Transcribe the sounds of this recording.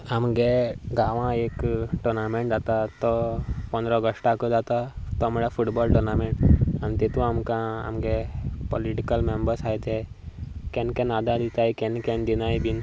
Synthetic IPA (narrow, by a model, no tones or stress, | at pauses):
ɦəmɡeɡaːʋãeːkʈoɾnamẽɳʈd͡ʒaːt̪at̪opɐ̃nd̪ɾɔɡəsʈakod͡ʒaːt̪at̪omeɽapʰuʈbɔːlʈoɾnaːmẽɳʈə̃nt̪et̪ũəmkãɐ̰mɡepoliʈikəlmẽmbəɾsajt̪ʰe | kẽnkẽnaːd̪ad̪it̪aikenkẽnd̪inaːibin